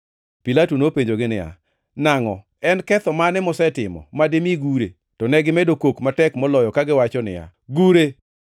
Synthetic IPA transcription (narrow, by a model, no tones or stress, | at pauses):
pilatunopeɲd͡ʒoɡɪnɪja̰ | naŋɔ | ɛnkɛt̪ɔmanɛmɔsɛtɪmɔ̰mademiɡuɾḛ | tɔnɛɡɪmɛdokwokmatɛkmɔlɔjɔkaɡɪwat͡ʃɔnɪ̰ja̰ | ɡuɾe